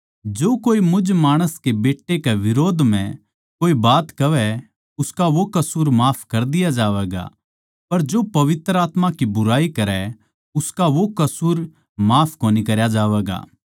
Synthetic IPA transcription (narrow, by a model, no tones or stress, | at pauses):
d͡ʒoːkoːimʊd͡ʒmaːɽ̃əskebeːʈːekeʋɪɾoːd̪ʱmɛ̃ | koːibaːt̪kɐʋɛ | ʊskaʋokɐsuːɾmaːpʰkɐɾd̪ɪjad͡ʒaːʋɛːɡa̰ | pɐɾd͡ʒoːpɐʋɪt̪ɾaːt̪mãkibʊɾaːikɐɾɛ | ʊskaʋokɐsuːɾ | maːpʰkoːnikɐɾjad͡ʒaːʋɛːɡa̰ː